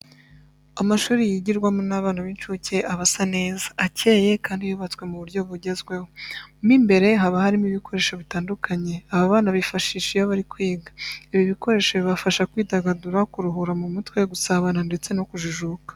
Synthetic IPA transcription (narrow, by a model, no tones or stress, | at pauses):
amaʃuːɾijiɟiɾɡwamonaβaːnaβiːnt͡ʃuːce̞ʔaβasane̞ːzaːce̞ːje̞kaːndijuβat͡swe̞muβuɾɟo̞βuɟe̞zɡwe̞homiːmbe̞ɾe̞ɦaβahaɾimiβikʰo̞ɾe̞ːʃo̞βitaːndukʰaɲe̞aβaβaːnaβifaʃiːʃijoβaɾikwiːɡḁiβiβiko̞ɾe̞ːʃoβiβafaʃakwiːtaɡaduɾakuɾuɦuɾamumutwe̞ɡusaβanande̞t͡se̞no̞kuʒuʒuːkḁ